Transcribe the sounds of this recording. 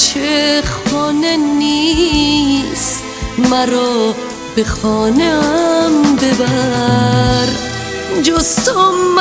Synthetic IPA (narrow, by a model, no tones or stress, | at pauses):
t͡ʃʰeχɔːneni | s | maɾɔː | b̥eχɔːnembeba | ɾ | d͡ʒost̪omː